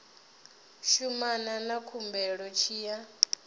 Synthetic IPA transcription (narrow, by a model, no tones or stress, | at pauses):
ʃumananakʰumbɛɺɔt͡ʃʰiːja